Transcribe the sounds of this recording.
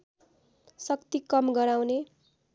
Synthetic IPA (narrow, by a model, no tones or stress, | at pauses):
sʌkt̪ikʌmɡʌɾawne